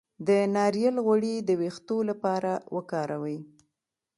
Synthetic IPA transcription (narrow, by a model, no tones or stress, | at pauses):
d̪ənɑɾjalɣwaɽid̪əwext̪olapɑɾawʔəkɑɾawəj